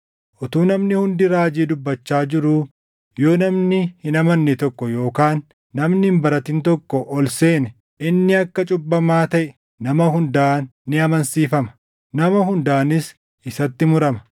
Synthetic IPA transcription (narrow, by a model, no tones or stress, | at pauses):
ʔɔt̪uːnɐmnɪhʊnd̪ɪɾaːd͡ʒiːd̪ʊbːɐt͡ʃːaːd͡ʒɪɾuː | jo̞ːnɐmnɪhɪnɐmɐnːɪt̪ɔkːɔjo̞ːkaːnː | ɐmnmbɐɾɐt̪ɪnt̪ɔkːɔʔɔlseːnɛ | ʔɪnːɪɐkːɐt͡ʃʼʊbːɐmaːt̪ɐʔɛ | nɐmɐhʊnd̪aːnːɪɐmɐnsiːfɐmɐ̥ | nɐmɐhʊnd̪aːnɪs | ɪsɐt̪ːɪmʊɾɐmɐ̥